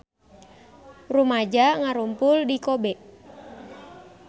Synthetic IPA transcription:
rumad͡ʒaŋaɾumpʊldikobɛʔ

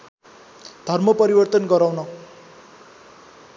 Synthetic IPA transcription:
d̪̥ʱʌrmʌpʌɾibʌrt̪ʌnɡʌɾawnʌ

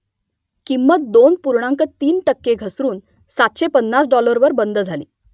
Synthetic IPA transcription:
kimːət̪̚d̪onpuɾɳaŋkət̪iːnʈəkːeɡʱəsɾuːn | sat̪ɕepənːasɖɔləɾʋəɾbənd̪əd͡zʱalḭː

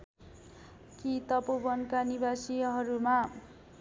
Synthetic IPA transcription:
kit̪ʌpobʌnkanibasiɦʌɾuma

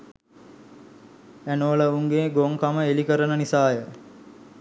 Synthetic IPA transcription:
ænoləuŋɡeːɡoŋkaməelikəɾənənisaːjə

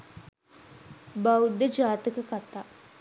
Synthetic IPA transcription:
baud̪əd͡ʒaːt̪əkəkat̪aː

